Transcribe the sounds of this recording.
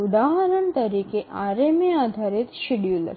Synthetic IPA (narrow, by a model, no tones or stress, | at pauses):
ud̪aɦəɾəɳt̪əɾikeʔʔaɾemead̪ʱaɾit̪ʃiɽijulə̰